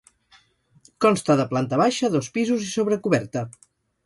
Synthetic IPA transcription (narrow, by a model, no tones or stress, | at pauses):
kɔnst̪əðəplant̪əβaʃəðɔspizuzisoβɾəkuβɛɾt̪ə